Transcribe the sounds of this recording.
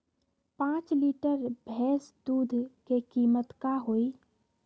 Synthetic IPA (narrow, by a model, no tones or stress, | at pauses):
pãːt͡ʃliːʈəɾbʱɛːsd̪uːd̪ʱkekiːmət̪kaɦoːi